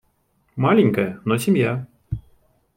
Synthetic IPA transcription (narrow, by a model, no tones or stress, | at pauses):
malʲɛnʲkɐjɐnɔsʲimja